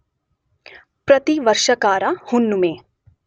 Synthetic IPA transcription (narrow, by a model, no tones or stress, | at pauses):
pɾɐt̪iʋɐɾʃəkaːɾahʊnːumẽː